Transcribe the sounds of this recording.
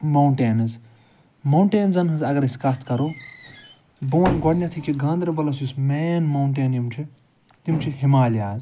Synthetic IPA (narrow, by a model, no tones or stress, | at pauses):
mɐwɳʈeːnɐz | mɐwɳʈeːnzɐnɦɨzɐɡɐɾiskɐst̪ʰkɐɾoː | boːnʲɡɔɽnʲɐt̪ʰikiɡãːnd̪ɾɐbɐlɐsjusmeːnmɐwɳʈeːnjimt͡ʃʰi | t̪imt͡ʃʰiɦimaːlaːz